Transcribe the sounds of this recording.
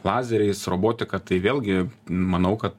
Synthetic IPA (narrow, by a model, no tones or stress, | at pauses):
lˠɑːzʲɛɾʲɛɪsɾoːboːt̪ʲɪkɐt̪ɐɪʋʲeːlˠʲɡʲɪmɐnɐʊkɐt̪